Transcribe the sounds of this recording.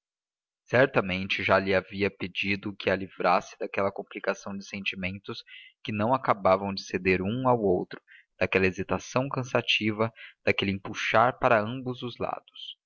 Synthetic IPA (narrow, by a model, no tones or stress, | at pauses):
sɛɾt̪ɐmẽnt͡ʃɪʒalɪaviɐped͡ʒid̪ʊkɪalivɾasɪ̥d̪akɛlɐkõmplikasɐ̃w̃d͡ʒɪsẽnt͡ʃimẽnt̪ʊskɪnɐ̃w̃akabavɐ̃w̃d͡ʒɪsed̪eɾũawowt̪ɾʊ̥d̪̥akɛlɐezit̪asɐ̃w̃kɐ̃sat͡ʃivɐd̪̥akelɪẽpuʃaɾpaɾɐɐ̃mbʊzʊzla̰d̪̥ʊs